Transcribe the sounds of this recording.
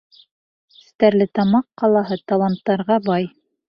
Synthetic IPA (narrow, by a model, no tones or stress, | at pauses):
ɘ̥̆st̪æɾlɘt̪ɑmɑqːɑlˠɑɦɤt̪ɑlˠɑnt̪ːɑɾʁɑbɑj